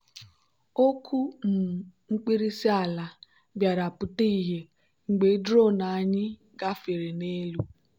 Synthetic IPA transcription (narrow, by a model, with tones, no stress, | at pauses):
o˦kʰu˦m̩˨ŋ͡m̩˦k͡pi˦ɾi˦si˦a˨la˨ | bja˨ɾa˨pʊ˨te˦i˨ɦe˨ | ŋ͡m̩˨ɡ͡be˨˦dɾo˦˨na˨a˨ɲɪ˦ | ɡa˦fe˨ɾe˨ne˦lu˦